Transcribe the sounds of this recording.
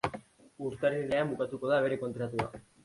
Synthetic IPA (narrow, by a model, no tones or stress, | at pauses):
uɾt̪aɾenleamukat̪uko̞ðaβeɾeko̞nt̪ɾat̪ua̰